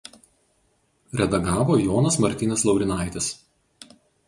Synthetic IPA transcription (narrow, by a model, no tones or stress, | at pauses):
ɾʲɛd̪ɐɡɑːʋoːjɔːnɐsmɐɾʲt̪ʲɪnʲɛslˠɒʊɾʲɪnɑˑɪt̪ʲɪs